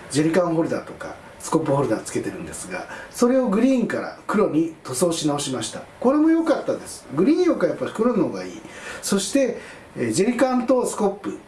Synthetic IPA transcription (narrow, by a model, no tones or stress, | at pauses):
d͡ʑe̞ɾʲikãɰ̃ɦo̞ɾɯ̟d̪a̰t̪o̞ka̰ | sɨ̥ko̞pːɯ̟ho̞ɾɯ̟d̪at͡sɨ̥ke̞t̪e̞ɾɯ̟̃nd̪esɨɡa̰so̞ɾe̞oɡɯ̟ɾʲiːŋkaɾa̰kɯ̟ɾo̞ɲ̟it̪o̞so̞ːɕinao̞ɕimaɕi̥t̪ako̞ɾe̞mo̞jo̞kat̪ːad̪e̞sɨ̥ɡɯ̟ɾʲĩːokajapːaɾʲi̥kɯɾono̞ɡaḭːso̞ɕi̥t̪e̞ | d͡ʑe̞ɾʲikãnt̪o̞sɨ̥ko̞pːɯ̟